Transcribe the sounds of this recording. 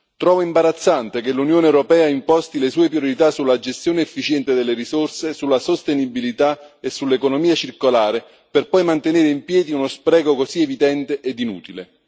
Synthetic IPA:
t̪ɾɔːvoimbaɾat̪sːant̪ekelːunjoːneɛwɾopɛːaimpɔst̪ilesuːepɾjoɾit̪asulːad͡ʒest̪joːneːfːit͡ʃɛnt̪ed̪elːeɾisorsesulːasost̪enibilit̪aesːulːekonomiːat͡ʃirkolaːɾe | perpɔjmant̪eneːɾeimpjɛːd̪iunospɾɛːɡokozievid̪ɛnt̪eʔed̪inṵːt̪ilḛ

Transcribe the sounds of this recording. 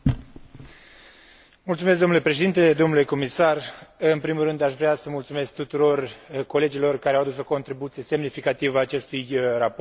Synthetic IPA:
mult̪sumes̬d̪onulepɾeʃe̞d̪int̪e̞d̪o̞mnule̞ko̞misarɨnpɾimulɾɨnd̪aʃvɾeasəmult̪sume̞sk̚t̪ut̪uɾo̞rko̞le̞d͡ʒilo̞rkaɾeawad̪usoko̞nt̪ɾibut̪sie̞se̞mnifikat̪ivaːt͡ʃe̞st̪ujrapo

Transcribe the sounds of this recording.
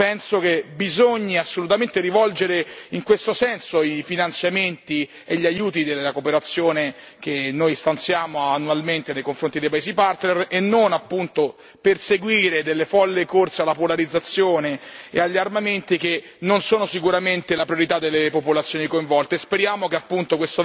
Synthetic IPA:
pɛnsokebizoɲːaasːolut̪ament̪eɾivɔld͡ʒeɾeiŋkwest̪osɛnsoifinant̪sjament̪i | eʎːajuːt̪id̪elakopeɾat̪sːjoːne | kenːojst̪ant̪sjaːmoanːualment̪enejkoɱfɾont̪id̪ejpaezipart̪nerenːonapːunt̪o | perseɡwiːɾed̪elːefɔlːekort̪sealːapolaɾid̪zːat̪sːjoːneḛaʎːiarmament̪ike | nonsoːnosikuɾament̪elapɾjoɾit̪ad̪ːelːepopolat̪sjoːnikoiɱvɔlt̪espeɾjaːmokeapːunt̪okwest̪o

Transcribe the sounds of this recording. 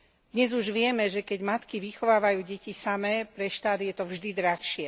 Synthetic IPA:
d̪̥ɲɛzuʒʋɪɛmɛʒɛkɛɟmat̪kiʋixɔʋaːʋajuːɟɛcisamɛːpɾɛʃt̪ad̪jɛt̪ɔvʒd̪id̪ɾaxʃɪɛ

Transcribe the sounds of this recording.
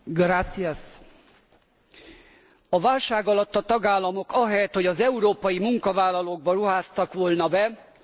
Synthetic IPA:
ɡrat̪sias | ɒvaːlʃaːɡɒlɒt̪ːɒt̪ɒɡaːlːɒmo̞kɒɦɛjɛt̪ho̞ɟɒzɛuɾoːpɒjimuŋkɒvaːlːɒloːɡ̚bɒɾuɦaːst̪ɒkʋo̞lnɒbɛ

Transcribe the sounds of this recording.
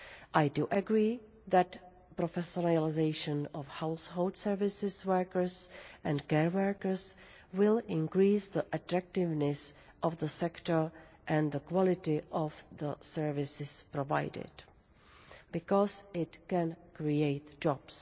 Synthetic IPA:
ʔajduʔəɡɾiː | ðæt | pɾofɛsonaalɪzejʃə̃nɔfhawsholdsɛɹvɪsɪswəɹkəɹsʔɛ̃ntkɛɹwəkəɹs | wɪlɪ̃nkɾiːsd̪əʔat̪ɾak̚tɪvnɛs | ʔɔfðəsɛktəɹ | ʔɛ̃nd̪əkwɔlɪtɪʔɔvðəsɛɹvɪsɪspɾova̰jdɪ̰d | bɪkɔsɪtkɛ̃nkɾiejtd͡ʒɔbs

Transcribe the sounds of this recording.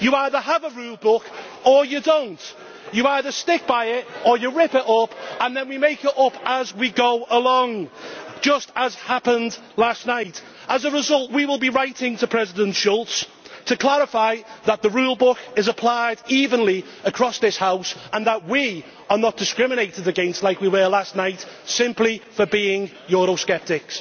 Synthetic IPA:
jəaɪðə˞əvəɹuːlˠbʊk | əjədõʊ̃nt | jəaɪðə˞stɪk̚b̥aɪɪtə˞jəɹɪpɪtʌpə̃nðə̃nwimeɪkɪɾʌpəzwiɡoʊʔəlɔ̃ŋd̥ʒ̥ʌstəz̥hapə̃nd | lastnaɪt | əzəɹɪzʌlˠtwiwɪlˠbiɹaɪtɪ̃ŋtʰəpʰɹ̥ɛzɪdə̃ntʃɔlˠts | tʰəkʰl̥aɹɪfaɪðət̪̚ðəɹuːlˠbʊkɪzəpʰl̥aɪdiːvə̃nli | əkʰɹ̥ɔsðɪshaʊsə̃nðəʔ̚wi | ə˞nət̚d̥ɪskɹɪmɪneɪtɪdəɡɛ̃ɪ̃nstˡlaɪkwiwə˞lastnaɪtsɪ̃mplifəbiːɪ̃ŋ | jɔɹoʊskɛp̚tɪks

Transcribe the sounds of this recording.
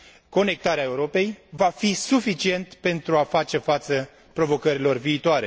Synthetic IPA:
ko̞ne̞k̚t̪aɾeae̞uɾo̞pe̞jvafisufit͡ʃie̞nt̪pe̞nt̪ɾuafat͡ʃe̞fat̪sə | pɾo̞vo̞kəɾilo̞rviːt̪oaɾe̞

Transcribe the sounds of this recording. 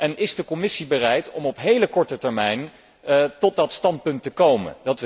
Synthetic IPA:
ʔɛnɪzdəkɔmɪsibərɛjtɔmɔpɦejləkɔɹtətɛɹmɛjn | tɔt̚dɑtstɑnt̚pɵntəkowmə̰ndɑt

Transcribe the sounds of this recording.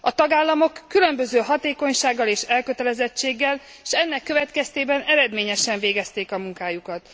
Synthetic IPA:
ɒt̪ɒɡaːlːɒmo̞kːylø̞mbø̞zøːɦɒt̪eːko̞ɲʃaːɡːɒleːʃɛlkøt̪ɛlɛzɛt͡ʃːeːɡːɛl | ʃɛnːɛkːø̞vɛt̪kɛst̪eːbɛnɛɾɛd̪meːɲɛʃɛɱveːɡɛst̪eːkɒmuŋkaːjukɒt̪

